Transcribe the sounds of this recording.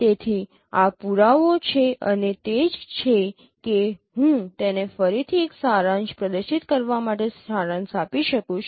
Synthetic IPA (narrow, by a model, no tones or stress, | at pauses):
t̪et̪ʰi | apuɾaʋot͡ʃʰeʔənet̪ed͡ʒt͡ʃʰe | keɦũt̪enefəɾit̪ʰieksaɾãnspɾəd̪əɾʃit̪kəɾʋamaʈesaɾãnsapiʃəkũt͡ʃʰ